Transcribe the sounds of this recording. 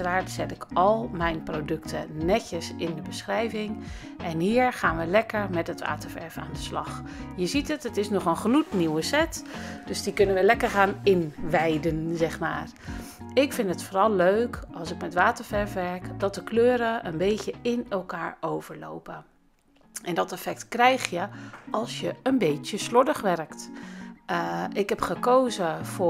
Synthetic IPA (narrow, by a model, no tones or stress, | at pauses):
əraːɹtsɛtɪkɑlˠmɛjnprowdɵktʰənɛcəsɪndəbəsχrɛjvɪŋ | ʔɛnɦiːɹχaːnʋəlɛkəɹmɛtɦətʋa̰ːtəɹvɛ̰ɹfa̰ːndəslɑ̰χ | jəzitətətɪsnɔχənχlutniwəsɛtd̥ɵzdikɵnənʋəlɛkəɹχaːnɪnʋɛjdənzɛχma̰ːr | ɪkfɪntətfoɾɔlˠːøɥkɑlˠsɪkmɛtʋaːtəɹfɛɹfʋɛɹkdɔt̚dəkløːɾəʔənbejtjəɪnɛlˠkaːɹowvəɹlo̰wpə | ʔɛndɔtɛfɛk̚tkrɛjxjəɑlˠsjəənbejtjəslɔdəχʋɛrkt | ʔɪkɦɛpχəkowzəfʊ